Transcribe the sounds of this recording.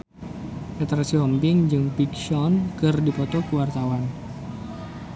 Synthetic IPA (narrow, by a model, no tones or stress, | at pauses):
ʔɛt̪ɾasiɔmpɪŋd͡ʒɨŋpikʃɔnkɨrdipɔt̪ɔkəwart̪awan